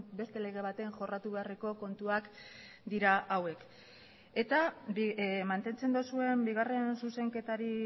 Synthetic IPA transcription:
be̞st̪e̞le̞ɣ̞e̞β̞at̪e̞ŋxo̞rat̪uβe̞areko̞ko̞nt̪uak | d̪iɾaʔawe̞k | e̞t̪a | mant̪e̞nt͡se̞nd̪osue̞mbiɣ̞are̞nsuse̞ŋke̞t̪aɾi

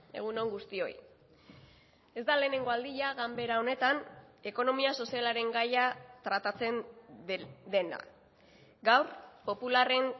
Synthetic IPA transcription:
e̞̰ɣ̞uno̞ŋɡust̪io̞j | e̞zd̪ale̞ːne̞ŋɡo̞ald̪iʎaɣambe̞ɾao̞ne̞t̪ane̞ko̞no̞miaso̞sialaɾe̞ŋɡajat̪ɾat̪at͡se̞n | d̪e̞na̰ | ɡawɾpo̞pulare̞n

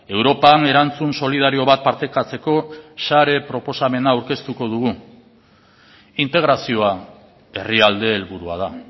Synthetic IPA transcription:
e̞wɾo̞pane̞ɾant͡sunso̞liðaɾio̞βat̪̚paɾt̪e̞kat͡se̞ko̞saɾe̞pɾo̞po̞same̞naːwɾke̞st̪uko̞ðuɣ̞u | int̪e̞ɣɾasio̞a | e̞riald̪e̞ːlβuɾuað̞a

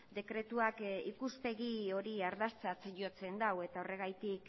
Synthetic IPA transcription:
d̪e̞kɾe̞t̪uakikuspe̞ɣio̞ɾiaɾðast͡sat͡sʝo̞t͡se̞nd̪awe̞t̪ao̞re̞ɣ̞ajt̪ik

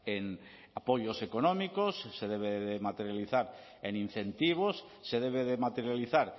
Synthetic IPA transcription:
en | apo̞jo̞se̞konõmikosːe̞ðeβ̞eðemat̪eɾjaliθaɾ | enin̟θe̞nt̪iβ̞osːe̞ðeβ̞eðemat̪eɾjaliθaɾ

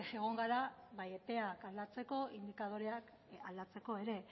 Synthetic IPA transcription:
ʃeɣ̞o̞ŋɡaɾaβajet̪e̞akald̪at͡se̞ko̞ind̪ikað̞o̞ɾeak | ald̪at͡se̞ko̞e̞ɾe̞

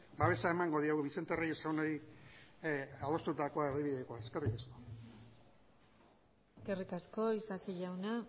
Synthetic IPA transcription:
baβe̞sae̞maŋɡo̞ð̞ioɣuβise̞nt̪erejesawnoɾi | alo̞st̪ut̪ako̞aeɾðiβiðekoaeske̞rikasko̞̥ | eske̞rikasko̞isasiʝawna

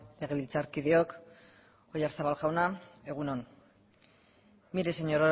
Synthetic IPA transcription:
le̞ɣ̞e̞βilt͡saɾkið̞eok | o̞jaɾsaβalʝawnae̞ɣ̞uno̞n | miɾeseɲoɾo

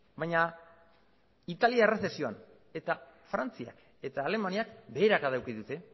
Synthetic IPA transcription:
bajɲa | it̪aliaerese̞sio̞a̰n | e̞t̪afɾant͡sia̰k | e̞t̪aːle̞maniakbe̞ːɾakaðawkiðut̪e̞

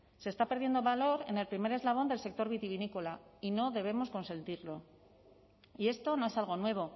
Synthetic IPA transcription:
sest̪apeɾðje̞nd̪o̞βalo̞ɾe̞ne̞lpɾime̞ɾe̞zlaβ̞o̞nd̪e̞lse̞k̚t̪o̞ɾβit̪iβinikolaino̞ðe̞β̞e̞mo̞sko̞nse̞nt̪iɾlo̞ | ie̞st̪o̞no̞e̞salɣ̞o̞nwe̞β̞o̞

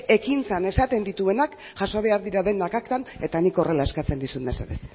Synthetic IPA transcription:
e̞kint͡sane̞sat̪e̞nd̪it̪ue̞nak | ʝaso̞β̞e̞aɾðiɾaðe̞nakakt̪ane̞t̪aniko̞re̞lae̞skat͡se̞nd̪isunmesḛðes

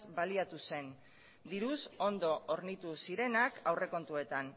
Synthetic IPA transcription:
zbaliat̪use̞n | d̪iɾuso̞nd̪o̞ʔoɾnit̪usiɾe̞nakawre̞ko̞nt̪ue̞t̪an

